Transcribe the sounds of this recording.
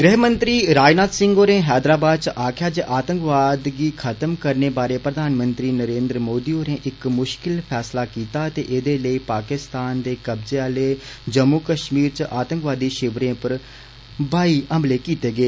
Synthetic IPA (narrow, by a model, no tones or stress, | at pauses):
ɡɾɛːɦmənt̪ɾiːɾaːnaːt̪sɪ̃ŋɡoːɾẽːɦɛːd̪ɾaːbaːd̪̚t͡ʃəʔaːkʰjaːt͡ʃəʔaːt̪ə̃ŋkʋaːd̪ɡiːkʰət̪əmkəɾneːbaːɾeːpɾəd̪ʱaːnmə̃nt̪ɾiːnəɾẽːnd̪ɾəmoːd̪iːoːɾẽːʔɪkmʊʃkɪlpʰɛːslaːkiːt̪aːt̪eːʔed̪eːləiːpaːkɪst̪aːnd̪eːkəbzeːaːleːd͡ʒəmːuːkəʃmiːɾt͡ʃʔaːt̪ə̃ŋkʋaːd̪iːʃɪʋɾẽːpəɾ | baːiəmleːkiːt̪eːɡeː